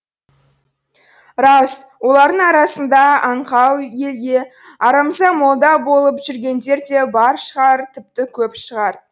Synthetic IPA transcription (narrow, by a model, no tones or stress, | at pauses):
ɾɑswo̞lˠɑɾd̪əɴɑɾɑsənd̪ɑɑɴqɑwje̞lɡ̪ʲe̞ | ɑɾɑmzɑmo̞lˠd̪ɑbo̞lˠəpʒʏɾɡʲe̞nd̪e̞ɾd̪e̞bɑɾʃəʁɑɾt̪ʰɪp̚t̪ɪkʲʰɵpʃəʁɑɾ